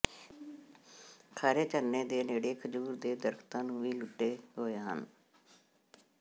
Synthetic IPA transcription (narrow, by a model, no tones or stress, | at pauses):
kʰaːɾeːt͡ʃəɾneːd̪eːneːɽeːkʰəd͡ʒuːɾd̪eːd̪əɾkʰt̪ãːnũːʋiːlʊʈeːɦoːeːɦə̰n